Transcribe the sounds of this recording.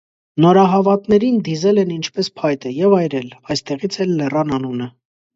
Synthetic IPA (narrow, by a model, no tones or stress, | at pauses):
nɔɾɑɦɑvɑt̪nɛɾind̪izɛlɛnint͡ʃʰpɛspʰɑjt̪əjɛvɑjɾɛlɑjst̪ɛʁit͡sʰɛlːɛrɑnɑnunə